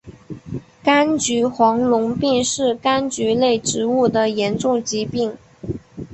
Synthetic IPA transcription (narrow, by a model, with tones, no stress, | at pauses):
ka˥nt͡ɕy˧˥xwɑ˧˥ŋlʊ˧˥ŋpi˥˧ŋʂɻ̩˥˩ka˥nt͡ɕy˧˥le˥˩ɪʈ͡ʂɻ̩˧˥u˥˩d̪ə˩jɛ˧˥nʈ͡ʂʊ˥˩ŋt͡ɕi˧˥pi˥˩ŋ